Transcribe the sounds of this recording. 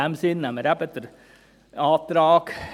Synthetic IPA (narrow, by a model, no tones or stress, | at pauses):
æmsiːnːɛməɾæpɛt̪ːəɾ | ɑːt̪ɾɑːk